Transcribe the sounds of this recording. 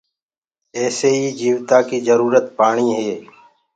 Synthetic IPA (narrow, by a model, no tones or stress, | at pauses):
eːseːiːd͡ʒiːʋt̪aːkiːzəɾuːɾət̪̚paːɳ̃ĩːɦeː